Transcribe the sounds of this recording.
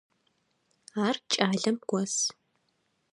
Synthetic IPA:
aːrt͡ʃʼaːɮɐmɡʷɔs

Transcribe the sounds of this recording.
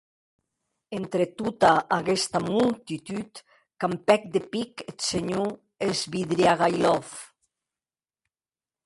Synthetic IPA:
ent̪ɾet̪ut̪aʔaɣɛst̪amult̪it̪yt̪ | kampɛk̚d̪epiket̪seɲo | ezβiðɾiaɣajlɔf

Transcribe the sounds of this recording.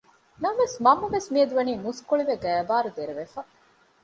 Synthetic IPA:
nɐmʋesmɐmːuʋesmiɐd̪uʋɐniːmuskoɭiʋeɡæːbaːɾud̪eɾeʋefɐ

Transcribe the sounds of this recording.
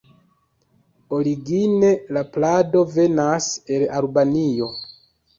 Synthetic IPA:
o̞ɾiɡine̞laplado̞ve̞nase̞lalbanijo̞

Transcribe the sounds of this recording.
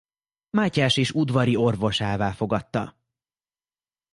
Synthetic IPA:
maːcaːʃeːʃud̪vɒɾio̞rvo̞ʃaːvaːlfo̞ɡɒt̪ːɒ̰

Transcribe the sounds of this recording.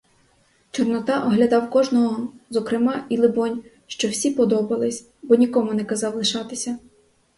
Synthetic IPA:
t͡ʃɔrnɔt̪ɑʔɔɦlʲɐd̪ɑwkɔʒnɔɦɔzɔkɾɪmɑilˠɪbɔnʲ | ʃt͡ʃɔwsʲipɔd̪ɔbɐlˠɪsʲ | bɔnʲikɔmʊnɛkɐzɑwlˠɪʃɑt̪ɪsʲɐ

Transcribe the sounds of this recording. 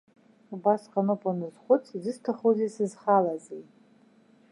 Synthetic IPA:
ubasqʼanopʼanɨzχʷʊt͡sʰʼizɨstʰaχozejsɨzχalazejt

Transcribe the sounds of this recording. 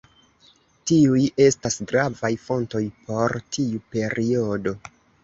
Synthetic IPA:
tiuje̞stasɡɾavajfo̞nto̞jpʰo̞ɾtʰiupe̞ɾio̞do̞

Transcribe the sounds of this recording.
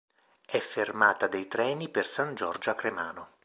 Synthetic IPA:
ɛfːermaːt̪ad̪ejt̪ɾɛːnipersand͡ʒɔrd͡ʒoakɾemaːno

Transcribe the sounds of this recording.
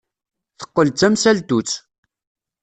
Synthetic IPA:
θə̥qːəlt͡s̪ːæmsælt̪ut͡sː

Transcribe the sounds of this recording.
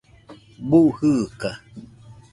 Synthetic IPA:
buʔhɨka

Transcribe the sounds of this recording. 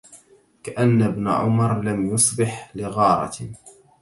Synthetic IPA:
kaʔanːabna̰ʕʊmɑɾˤlamjʊsˤbɪħlɪɣɑːɾˤɑ̰

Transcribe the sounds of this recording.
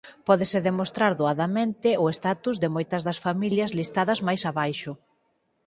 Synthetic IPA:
pɔðɪsɪðemost̪ɾaɾðoaðɐmẽnt̪ɪʊest̪at̪uzðɪmojt̪ɐzðɐsfamiljɐzlist̪aðɐzmajsaβajʃʊ

